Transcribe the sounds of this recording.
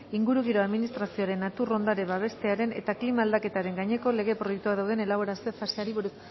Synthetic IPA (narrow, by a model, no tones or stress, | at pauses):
iŋɡuɾuɣiɾo̞aðminist̪ɾasio̞aɾe̞nːat̪uro̞nd̪aɾe̞baβ̞e̞st̪e̞aɾe̞ne̞̰t̪aklimaːld̪ake̞t̪aɾe̞ŋɡajɲe̞ko̞le̞ɣ̞e̞pɾo̞jek̚t̪uað̞awðene̞laβ̞o̞ɾase̞faseaɾiβoɾ